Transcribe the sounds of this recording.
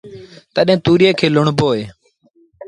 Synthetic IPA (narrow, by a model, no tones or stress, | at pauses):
t̪əɗẽːt̪uːɾeːkʰeːlʊɳboːɦeː